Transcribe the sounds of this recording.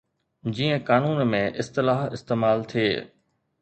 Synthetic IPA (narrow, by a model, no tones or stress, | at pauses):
d͡ʑiːə̃kaːnuːnmẽʔɪst̪ɪlaːɦɪst̪eːmaːlt̪ʰieː